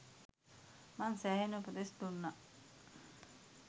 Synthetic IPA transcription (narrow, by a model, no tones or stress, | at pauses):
mansæɦenəpət̪esd̪unːa